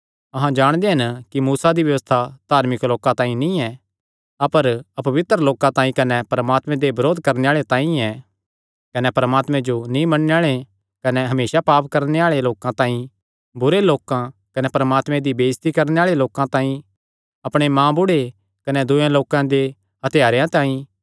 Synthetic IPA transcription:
ɐɦãd͡ʒaːɽ̃d̪eɦɪnkimuːsad̪iʋjɐʋəst̪ʰad̪̥ʱaːɾmɪkloːkãt̪ãːĩnĩɛ | ɐpəɾɐpɐʋɪt̪ɾəloːkãt̪ãːĩkɐnɛpɐɾəmaːt̪mɛ̃d̪ebɐɾoːd̪ʱkɐɾneaːɭet̪ãːĩɛ | kɐnɛpɐɾəmaːt̪mɛ̃d͡ʒonĩmɐɽneaːɭe | kɐnɛɦɐmeːsapaːpkɐɾneaːɭeloːkãt̪ãːĩ | bʊɾeloːkãkɐnɛpɐɾəmaːt̪mɛ̃d̪ibeːst̪ikɐɾneaːɭeloːkãt̪ãːĩ | ɐpɽ̃emãːbʊɽe | kɐnɛd̪ʊẽloːkãd̪e | hɐt̪ɪjaːɾjãt̪ãːĩ

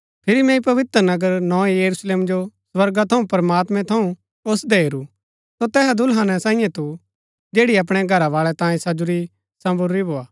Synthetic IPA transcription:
pʰɪɾimɛ̃ĩpɐʋɪt̪ɾənɐɡəɾnɔ̃ːejɐɾusleːmd͡ʒosʋɐɾɡat̪ʰɐũpɐɾmaːt̪mɛ̃t̪ʰɐũ | ʊsd̪ɛɦeɾu | sot̪ɛːsad̪ʱʊlɦaːnɛ̃sãːĩjɛ̃t̪u | d͡ʒeːɽiɐp̬ɽ̃ɛɡʱɐɾaʋaːɭɛt̪ãːĩsɐd͡ʒʊɾi | sɐ̃bʊɾːibʱoːaː

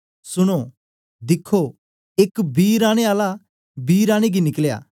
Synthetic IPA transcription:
sʊɽ̃o | d̪ɪkʰːo | ɪkbiːɾãːɽ̃eaːla | biːɾãːɽ̃eɡinɪklja̰ː

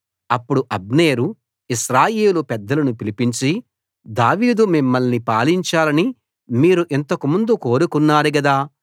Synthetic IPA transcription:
ɐpːuɽuʔɐbneːɾu | iʃɾaːjeːlupɛd̪ːɐlɐnupilipiɲt͡ʃi | d̪aːʋiːd̪umimːɐlnipaːliɲt͡ʃaːlɐni | miːɾuʔent̪ɐkumund̪uko̞ːɾukunːaːɾuɡɐd̪aː

